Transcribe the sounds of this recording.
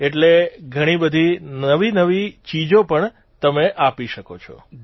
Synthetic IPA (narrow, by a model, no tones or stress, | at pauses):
eʈleɡʱəɽ̃ibəd̪ʱinəʋinəʋit͡ʃid͡ʒopəɳ | t̪əmeʔapiʃəkot͡ʃʰɔ̰